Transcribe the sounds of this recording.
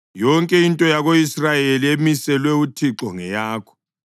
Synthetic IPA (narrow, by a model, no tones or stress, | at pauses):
jɔŋkʼɛintʼɔjaɣoisrajeliemisɛlwɛutʰiǁɔŋɛjaːkʰɔ̥